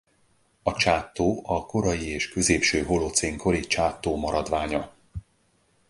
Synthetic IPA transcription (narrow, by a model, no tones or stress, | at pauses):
ɒt͡ʃaːt̪ːoːɒko̞ɾɒjieːʃkø̞zeːpʃøːɦo̞lot̪seːŋkʰo̞ɾit͡ʃaːt̪ːoːmɒɾɒd̪ʋaːɲɒ